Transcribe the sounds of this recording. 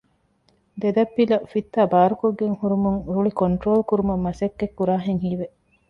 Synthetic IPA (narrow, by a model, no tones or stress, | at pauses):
d̪ed̪ɐpːilɐfit̪ːaːbaːɾukoɡːeŋhuɾumuŋɾuɭikoɳʈɾoːlkuɾumɐmːɐsɐkːekːuɾaːɦeŋɦiːʋe